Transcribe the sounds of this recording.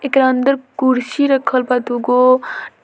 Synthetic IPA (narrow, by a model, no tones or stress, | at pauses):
ekɾand̪əɾkuɾsiɾəkʰəlpat̪uɡo